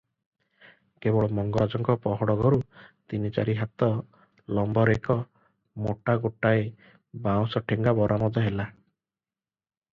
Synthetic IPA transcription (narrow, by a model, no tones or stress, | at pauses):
kebɔɭɔmɔŋɡɔɾad͡ʒɔŋkɔpɔɦɔɽɔɡɔɾut̪init͡ʃa̰ɾiɦat̪ɔ | lɔmbɔɾekɔ | moʈaɡoʈae | baw̃sɔʈʰeŋɡabɔɾʔamɔd̪ɔɦela